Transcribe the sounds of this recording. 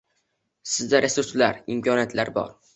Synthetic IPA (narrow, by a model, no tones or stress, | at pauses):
sɪzd̪aɾʔe̞suɾslaɾɪmkʰʲɒnijat̪laɾbɒ̰ɾ